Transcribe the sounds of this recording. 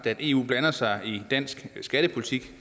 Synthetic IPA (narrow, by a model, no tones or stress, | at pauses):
d̥æd̥e̝̰ːṵːb̥lænɐsɑ̈ɪid̥æn̰sɡ̥sɡ̥æɾ̥əpʰo̝lit͡sʰiɡ̥